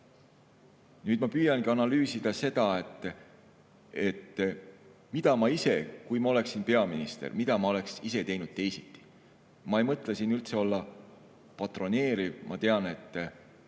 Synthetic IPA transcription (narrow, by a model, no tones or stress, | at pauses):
nyːd̪̥mɑpyːjɑnɡiɑnɑlyːsid̪̥ɑse̞d̪̥ɑe̞t̪ːˑ | e̞t̪ː | mid̪̥ɑmɑise̞kujmɑo̞le̞ksinpe̞ɑminist̪ḛrmid̪̥ɑmɑo̞le̞ksise̞t̪e̞jnud̪̥̚t̪e̞jsit̪ːˑi̥ | mɑe̞jmɤt̪ˑlesinːylt̪se̞o̞lːɑ | pɑt̪ˑro̞ne̞ːɾivmʔɑ̰t̪e̞ɑne̞t̪ˑː